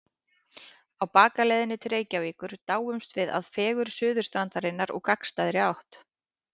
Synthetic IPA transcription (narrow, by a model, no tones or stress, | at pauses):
awpaːkalɛjðɪnɪt̪ʰɾeːjcaviːkʏɾ̥t̪aːwʏmst̪vɪða̰ðfɛːɣʏɾ̥sʏːðʏ̥st̪ɾant̪aɾɪnːaɾɔ̰ɣkʰakst̪aːðɾɪawht̪